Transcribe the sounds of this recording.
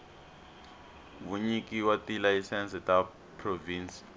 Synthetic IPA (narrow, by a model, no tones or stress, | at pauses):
muɲikʼiwatʼilaisɛnsɛtʼa | pʰroviːnsi̥